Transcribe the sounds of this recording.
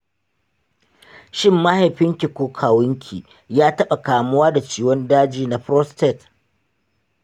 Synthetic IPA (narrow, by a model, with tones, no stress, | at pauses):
ʃɪ˦˨mːa˦ha˨ɸɪ˦ŋkʲɪ˨kʷoː˦kʰaː˨wʊ˦ŋkʲʰḭ˨ | jaː˦tɐ˦ɓa˨kaː˨mʊ˦waː˦da˨t͡ʃiː˦wɔ˦ndaː˦d͡ʒiː˨na˨ɸɾɔ˦stɛ˦˨t